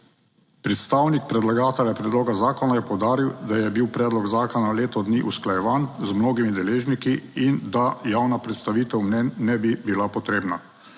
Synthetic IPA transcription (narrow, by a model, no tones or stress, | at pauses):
pɾɛt̪st̪aːwnik̚pɾɛd̪laɡaːt̪ɛljapɾɛd̪loːɡazaːkɔnajɛpɔwd̪aːɾiwd̪ajɛbiwpɾɛːd̪lɔɡzaːkɔnaleːt̪ɔd̪niʔusklajɛʋaːnzmnoːɡimid̪ɛleːʒnikiind̪ajaːwnapɾɛt̪st̪aʋiːt̪ɛwmnɛnːɛbibilapɔt̪ɾeːbna